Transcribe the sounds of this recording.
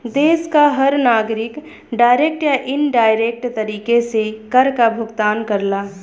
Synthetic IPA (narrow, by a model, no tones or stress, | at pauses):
d̪eːskaɦəɾnaːɡɾɪk | ɖaːjɾek̚ʈjaʔɪnɖaːjɾek̚ʈt̪əɾiːkesekəɾkabʱʊɡt̪aːnkəɾla